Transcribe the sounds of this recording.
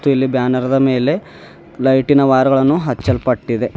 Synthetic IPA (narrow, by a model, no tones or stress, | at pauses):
t̪ːuilːibjaːnɐɾɐd̪ɐme̞ːle̞ | lɐjʈinɐʋaːɾɐɡɐɭɐnːuɦɐt͡ʃːɐlpɐʈːid̪e̞